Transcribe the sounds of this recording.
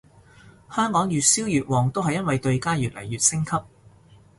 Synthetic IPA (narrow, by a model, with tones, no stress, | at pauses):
hœː˥ŋkɔː˨˥ŋjyː˨t̚siː˥wjyː˨t̚wɔː˨˩ŋt̪o˥wɦɐ˨jːɐ˥nwɐ˨jt̪ɵ˧ɥkaː˥jyː˨t̚lɐ̰˨˩jːyː˨t̚sɪ˥ŋkʰɐ˥p̚